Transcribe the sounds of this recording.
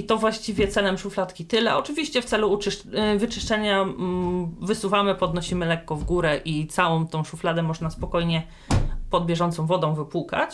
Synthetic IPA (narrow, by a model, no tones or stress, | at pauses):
it̪ɔvwaɕt͡ɕivʲjɛt̪sɛlɛmʂuflat̪kʲit̪ɘlɛɔt͡ʂɘvʲiɕt͡ɕɛft̪sɛluːt͡ʂɘʂvɘt͡ʂɘʂt͡ʂɛɲa | vɘsuvamɘpɔd̪nɔɕimɘlɛkːɔvɡuɾɛʔit̪sawɔ̃w̃t̪ɔ̃w̃ʂuflad̪ɛmɔʐnaspɔkɔjɲɛ | pɔd̪̚bʲjɛʐɔnt̪sɔ̃w̃vɔd̪ɔ̃w̃vɘpuka̰t͡ɕ